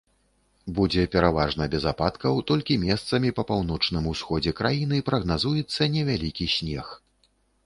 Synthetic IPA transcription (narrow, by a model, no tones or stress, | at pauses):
bud͡zʲɛpʲɛɾavaʐnɐbʲɛzapat̪kɐwt̪ɔlʲkʲimʲɛst̪sɐmʲipɐpawn̪ɔt͡ʂnɨmusxɔd͡zʲɛkɾajin̪ɨpɾɐɣnazujɛt̪sːɐnʲɛvʲalʲikʲisʲnʲɛx